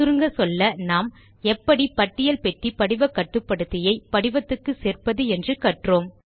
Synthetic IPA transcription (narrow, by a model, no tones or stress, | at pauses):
ʊɾɯŋɡɐsɔlːɐnaːm | ɛpːɐɽipɐʈːɪjɐlpɛʈːipɐɽɪʋɐkːɐʈːɯpːɐɽɯt̪ːɪjɐɪpɐɽɪʋɐt̪ːɯkːɯseːrpɐðɯɛndrɯkɐʈroːm